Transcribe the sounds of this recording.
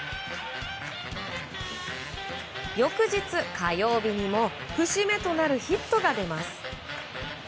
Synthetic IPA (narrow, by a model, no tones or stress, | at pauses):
jo̞kɯ̟ʑit͡sɨkajo̞ːbʲiɲ̟imo̞ɸɯ̟ɕime̞t̪o̞naɾɯ̟çit̪ːo̞ɡad̪e̞masɨ̥